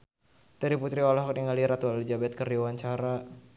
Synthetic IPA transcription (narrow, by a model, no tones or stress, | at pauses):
t̪əɾiput̪ɾiwalaɦɔkjaŋaliɾat̪ualld͡ʒabɛt̪̚kərdiwaɲt͡ʃaɾa